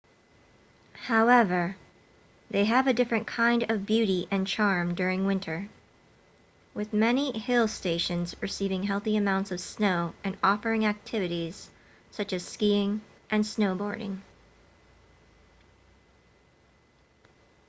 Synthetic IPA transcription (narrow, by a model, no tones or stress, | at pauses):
haʊɛvə˞ | ðeɪɨvɨdɪfɹɨ̃nkʰãɪ̃ndʌvbjʉɾiʔɨ̃nt͡ʃʰɑɹmdʊɹɪ̃ŋwɪ̃ntʰə˞ | wɨðmɛnihɪlˠsteɪʃɨ̃nzɹɨsivɪ̃ŋɦɛlˠθiɨmãʊ̃ntsʌv̥snoʊɨ̃nɔfə˞ɪ̃ŋæk̚tʰɪvɨɾiz̥ | sʌt͡ʃɨz̥skiɪ̃ŋ | ʔɨ̃nsnoʊbɔ̰ɹɾɪ̰̃ŋ